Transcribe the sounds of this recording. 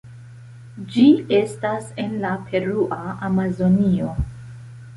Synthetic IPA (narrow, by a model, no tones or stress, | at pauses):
d͡ʒie̞stase̞nlapʰe̞ɾuʔaamazo̞nio̞